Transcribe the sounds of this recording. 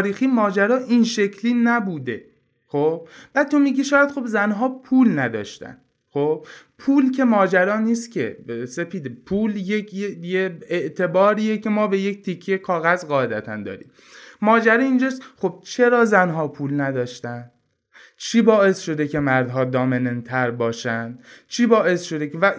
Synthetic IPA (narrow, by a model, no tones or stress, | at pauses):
ɾiːxiːmɒːd͡ʒæɾɒːʔinʃe̞cʰliːnæbuːd̪e̞ | xob̥b̥æd̪̚t̪ʰomiːɡiʃɒːjæd̪̥xo̞bzænɦɒːpʰuːlnæd̪ɒ̰ːʃt̪æ̰n | xob̥pʰuːlcʰe̞mɒːd͡ʒæɾɒːniːst̪cʰʲe̞̰se̞fiːd̪epʰuːljekʰjejeeʔt̪ʰe̞bɒːɾiːjecʰe̞mɒːbe̞jekt̪ʰikʰːejekʰɒːɣæzɣɒːe̞d̪æt̪ʰænd̪ɒ̰ːɾḭːm | mɒːd͡ʒæɾeind͡ʒɒːsxo̞b̥̚t͡ʃʰe̞ɾɒːzænɦɒːpʰuːlnæd̪ɒːʃt̪ænd̪ | t͡ʃʰiːbɒːe̞sʃo̞d̪ecʰe̞mæɾd̪ɦɒːd̪ɒːmenent̪ʰæɾbɒːʃænd̪̥t͡ʃʰiːbɒːʔe̞sʃo̞d̪ekevæ